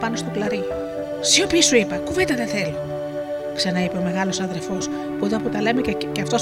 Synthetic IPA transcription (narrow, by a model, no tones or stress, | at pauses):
pɐno̞st̪o̞plɐɾi | siopisuipɐkuvet̪ɐðenθelo | ksɐnɐipeome̞ɣɐlo̞sɐðe̞ɾfo̞s | put̪oɐpot̪ɐlemecɐft̪o̞s